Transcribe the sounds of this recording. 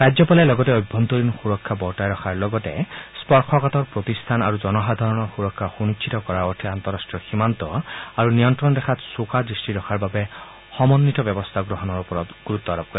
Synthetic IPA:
ɾajd͡ʒjɔpalɛlɔɡɔtɛɔjbʱːɔnt̪ɔɾinxuɹɔkʰːabɔtajɾɔxʰaɹlɔɡɔtɛspɔɹkʰɔkat̪ɔɹpɹot̪ist̪ʰana̰ɹuzɔnɔɦad̪ʱaɹɔnɔɹxuɹɔkʰːaxunit͡ʃt͡ʃʰit̪ɔkɔɹaɔt̪ʰɛant̪ɔɾasʈjɔximant̪ɔaɹunijɔnt̪ɾɔnd̪ɛkʰat̪sokad̪ɹisʈiɾɔkʰaɹbabɛ | xɔmɔnːit̪ɔbjɔbɔst̪ʰaɡɾɔɦɔnɔɹupɔɾɔt̪ɡ̥uɾut̪ːɔaɾɔp̚kɔɾi

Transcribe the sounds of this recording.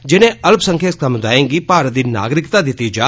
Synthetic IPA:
d͡ʒɪnẽɐlpsə̃ŋkʰeːt̪kəmd̪aːẽɡipaːɾd̪iːna̰ːɡɾɪkt̪aːd̪ɪt̪id͡ʒaː

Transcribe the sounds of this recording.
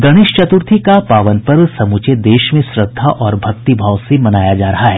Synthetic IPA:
ɡɐɽ̃ɪʃt͡ʃɐt̪ʊɾt̪ʰikapaːʋənpəɾʋsɐmut͡ʃed̪eːʃmẽsɾəd̪ʱːaʔɔːɾbʱɐkt̪ibʱaːʋsemɐnaːjad͡ʒaːɾɐɦaɦɛː

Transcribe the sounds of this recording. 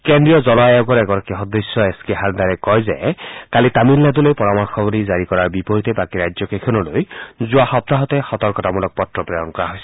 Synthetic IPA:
kend̪ɹijɔzɔlaɔɡɔɾɛɡɔɾakiɦɔd̪ːesjɔeskeɦand̪aɾɛkɔjzɛkalit̪amilːad̪ulojpɔɾamɔɾxʰɔbɔɾizaɹikɔɾaɹbipɔɦit̪ebakiɾajzɔkekʰɔnɔlojzuahɔp̚t̪aɦɔt̪ɛxɔt̪ɔɹkɔt̪amulɔk̚pɔtːɹɔpɹɔjɔnkɔɹaɦojsɔ̥

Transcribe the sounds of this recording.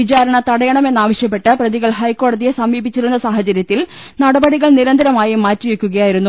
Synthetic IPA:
it͡ɕaːɾɐɳɐt̪ɐɽɐjɐɳɐme̞nːaːʋɐɕjɐp̬ːe̞ʈːɨprɐðiɣɐɭhɐjkːo̞ːɽɐðijesɐmiːbit͡ɕːiɾunːɐsaːhɐt͡ɕɐɾjɐt̪ːil | nɐɽɐbɐɽiɣɐɭniɾɐnd̪ʱɐɾɐmaːjimaːtːiʋekʲːuɣɐjaːjiɾunːu

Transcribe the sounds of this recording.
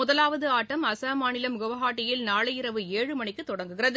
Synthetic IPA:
ʊðɐlaːʋɐðɯaːʈːɐmɐsaːmaːnɪlɐmɡɔʋɐɦaːʈːɪjɪlnaːɭɐjɪɾɐʋɯeːɻɯmɐɳɪkːɯt̪ːɔɽɐŋɡɯɣɪrɐðɯ

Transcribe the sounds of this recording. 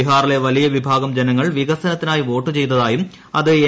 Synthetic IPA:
iɦaːrile̞ʋɐlijɐʋibʱaːɡɐmd͡ʑenɐŋːɐɭʋiɣɐsɐnɐt̪ːinaːjiʋo̞ːʈːɨt͡ɕe̞jt̪ɐðaːjum | ɐðɨe

